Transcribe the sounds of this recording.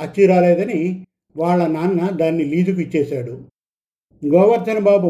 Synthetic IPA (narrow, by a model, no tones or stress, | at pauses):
ɐt͡ʃːiːɾaːlɛːd̪ɐni | ʋaːɭːɐnaːnːɐd̪aːnːiliːd̪uk̬uit͡ʃːɛːʃaːɽu | ɡɔːʋɐɾt̪ːɐnɐbaːbu